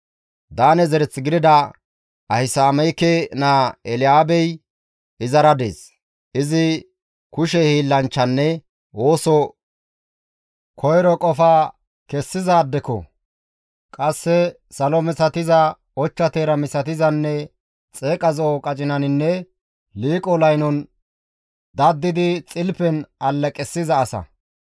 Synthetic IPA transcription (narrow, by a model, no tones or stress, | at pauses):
d̪aːnɛzɛɾɛt͡sːɪɡɪd̪ɪd̪ɐ | ɐhɪsaːmɛjkenaːɛlɪjaːbɛj | ɪzɐɾɐd̪ḛːs | ʔɪzɪ | kʊʃɛhiːlːɐnt͡ʃːɐnːɛ | wo̞ːsɔ | kʰɔjɾɔkʼɔfaː | kɛsːɪzaːd̪ːɛkɔ̰ | kʼɐsːɛ | sɐlɔmɪsɐt̪ɪzɐ | ɔt͡ʃːɐt̪eːɾɐmɪsɐt̪ɪzɐnːɛ | t͡sʼeːkʼɐzɔːkʼɐt͡ʃʼɪnɐnɪnːɛ | liːkʼɔlɐjnɔn | d̪ɐd̪ːɪd̪ɪt͡sʼɪlpɛnɐlːɐkʼɛsːɪzɐːsɐ̰